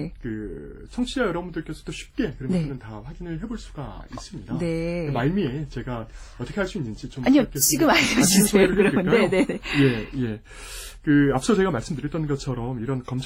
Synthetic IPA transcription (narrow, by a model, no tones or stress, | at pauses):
kɯt͡ɕʰʌŋt͡ɕʰiajʌɾʌbundɯɭk͈e̞sʰʌtoɕʰi̥p̚k͈e̞kɯɾʌnɯnɯntaɸwaɡinɯɭɦe̞boɭs͈uɡa̰is͈ɯmɲidaekɯmaɭmie̞t͡ɕe̞ɡaʌt͈ʰʌkeaɭs͈uinːɯnd͡ʑit͡ɕomaɲik͈ʰet͡ɕiɡɯmaɡad͡ʑisʰoɯɾʌkiɯnk͈ajeone̞ne̞je̞je̞ | kɯap̚ʰs͈ʰʌt͡ɕe̞ɡamaɭs͈ɯmdɯɾjʌt͈ʌnnɡʌt͡ɕʰʌɾʌmiɾʌnkʌmt͡ɕʰ